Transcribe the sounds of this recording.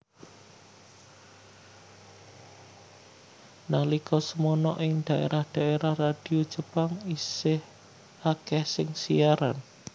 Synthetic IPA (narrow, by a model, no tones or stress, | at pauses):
nahlikɔsəmɔnɔʔɪŋd̪̥a̤ʔḛɾahd̪̥a̤ʔeɾahrad̪̥i̤od̥ʒ̥əpaŋisɪh | akɛhsɪŋsijaɾa̰n